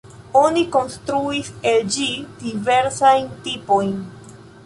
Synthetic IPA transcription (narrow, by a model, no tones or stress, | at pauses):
o̞niko̞nstɾuiseld͡ʒid̥ive̞ɾsajntipo̞jn